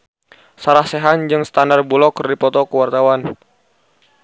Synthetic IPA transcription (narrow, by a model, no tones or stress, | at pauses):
saɾahseɦand͡ʒɨŋsə̥t̪andarbulɔkərdipɔt̪ɔkəwart̪awan